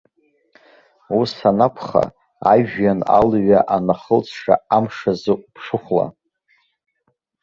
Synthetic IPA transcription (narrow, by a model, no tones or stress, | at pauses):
usanakʷʰχa̰ | aʒᶣjana̰lɥaʔanaχəlt͡sʰʂa̰amʂazɨʔʷʼpʰʂɨχʷla̰